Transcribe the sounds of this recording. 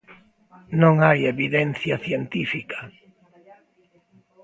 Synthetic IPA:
nõŋajeβiðɛn̟θjaθjent̪ifika

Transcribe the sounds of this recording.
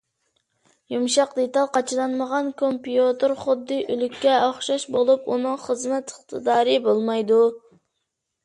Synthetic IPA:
jumʃɑqd̪et̪ɑlˠqɑt͡ʃʰɨlˠɑnməʁɑnkʰompijot̪oɾχʊd̪ːɨʔylykʲːɛɑχʃɑʃbolˠupunɨŋχəzmɛt̪ʰəχt̪ʰɨd̪ɑːɾɨbolˠmɑjd̪u

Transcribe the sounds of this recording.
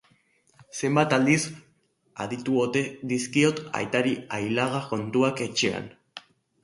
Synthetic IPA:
se̞mbat̪ald̪is | a̰ðit̪uo̞t̪e̞ðiskio̞t̪a̰jt̪aɾiajlaɣako̞nt̪uake̞t͡ʃe̞a̰n

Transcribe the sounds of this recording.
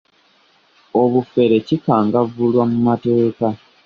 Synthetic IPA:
o̞βufe̞ɾe̞cikaːŋɡavulwamumate̞ːka

